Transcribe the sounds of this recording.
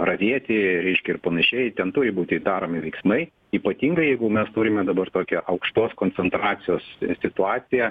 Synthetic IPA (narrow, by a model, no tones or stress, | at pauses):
rɐʋʲiɛt̪ʲɪɾʲɛɪʃʲkʲɛɪrpɐnɐʃʲɛjt̪ʲɛnt̪uːɾʲɪbuːt̪ʲɪd̪ɑːɾoːmʲɪʋʲɛɪksmɐɪ | iːpɐt̪ʲiːŋɡɐɪjɛɪɡʊmʲɛst̪uːɾʲɪmʲɛd̪ɐbɐrt̪oːkʲɛʔɐʊkʃt̪oːskoːnʲt͡s̪ʲɛnt̪ɾɑːt̪sʲɪjoːssʲɪt̪ʊɑːsʲɪjɛ